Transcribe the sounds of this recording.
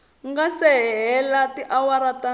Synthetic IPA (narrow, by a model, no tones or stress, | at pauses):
ŋɡasɛɦɛlatiʔawaɾata